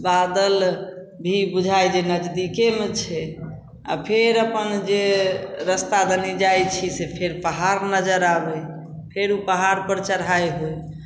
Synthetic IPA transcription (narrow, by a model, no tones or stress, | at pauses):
bad̪əl | bʱibud͡ʒʱajd͡ʒenəd͡ʒd̪ikemet͡ʃʰɛ | a̰pʰeɾəpənd͡ʒeɾəst̪ad̪ənid͡ʒajt͡ʃʰisepʰeɾpəɦaɾnəd͡ʒəɾabɛ | pʰeɾupəɦaɾpəɾt͡ʃəɾɦajɦoj